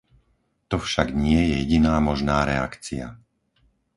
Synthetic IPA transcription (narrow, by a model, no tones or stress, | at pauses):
t̪ɔfʃaɡɲɪɛjɛjɛɟinaːmɔʒnaːɾɛa̰kt͡sia̰